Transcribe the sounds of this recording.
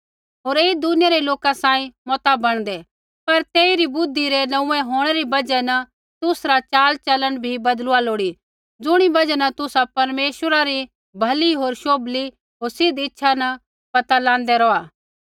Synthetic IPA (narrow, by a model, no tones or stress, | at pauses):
ɦoːɾeːid̪ʊnɪjaɾeloːkasãːĩmɔːt̪abɐɽ̃d̪ɛ | pɐɾt̪eːiɾibʊd̪ʱːiɾenɐ̃ũɛ̃ɦoːɽ̃ɛɾibɐd͡ʒɛnə | t̪ʊsɾat͡ʃaːlt͡ʃɐlənbʱibɐd̪lʊaloːɽi | d͡zʊɽ̃ibɐd͡ʒɛnɐt̪ʊsapɐɾmeːʃwəɾaɾi | bʱɐliɦoːɾʃoːbli | ɦoːɾsɪd̪ɪtːʃʰanɐ | pɐt̪alãːnd̪ɛɾɔːaː